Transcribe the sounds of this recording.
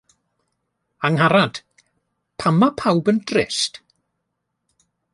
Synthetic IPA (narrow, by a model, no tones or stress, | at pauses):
aŋɦaɾad̥ | pʰamapʰawbəndrɪst